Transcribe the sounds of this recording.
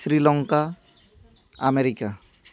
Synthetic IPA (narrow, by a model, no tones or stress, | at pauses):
sɾilɔŋka | ameɾika